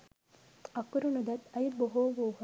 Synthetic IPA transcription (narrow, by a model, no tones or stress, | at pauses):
ɐkːuɾunud̪ɐt̪ɐjid̪̚boɦoːʋoːɦ